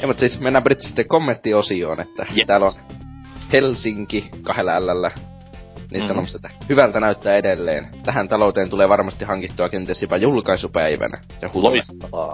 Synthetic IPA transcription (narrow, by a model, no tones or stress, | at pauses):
emut̪siːsmenːæbrit̪ːi̥si̥t̪ːekkomːent̪ːiosio̰ːnḛt̪ːæt̪æːlon | helsiŋkikɑhelːæælːælːæ | niːssɑnomust̪et̪ːæ̥hyʋælt̪ænæyt̪ːæːedelːḛːnt̪æhænt̪ɑlout̪eːnt̪uleːʋɑrmɑst̪ihɑŋkit̪ːuɑkent̪iesipæjulkɑisupæiʋæ̰næ̰ | sɑhuoitː